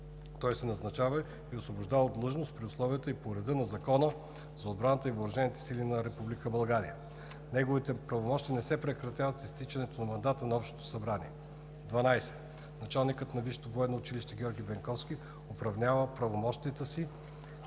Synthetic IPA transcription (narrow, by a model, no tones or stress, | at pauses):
t̪ɔjsɛnɐznɐt͡ʃavə | iosvobʊʒd̪avəd̪lˠɤʒnost̪̚pɾiʊslˠɔvijət̪əipoɾɛd̪ɤnɐzɐkɔnə | zɐod̪̚bɾanət̪əivoɾɐʒɛnit̪ɛ̥silinɐɾɛpublikəbɐlˠɡaɾḭjə | nɛɡovit̪ɛpɾɐvomɔʃt̪iənɛsɛpɾɛkɾɐt̪avɐt̪sist̪it͡ʃɐnɛt̪onɐmɐnd̪at̪ənɐɔpʃt̪o̥t̪o̥sɐbɾanḭɛ | d̪vɐnajsɛ̥ | nɐt͡ʃalˠnikət̪nɐviʃt̪ovoɛd̪nːoːt͡ʃiliʃt̪ɛɡʲɔɾɡʲibɛŋkɔfsk̟ʲi | ʊpɾɐvnʲavəpɾɐvomɔʃt̪iət̪əsi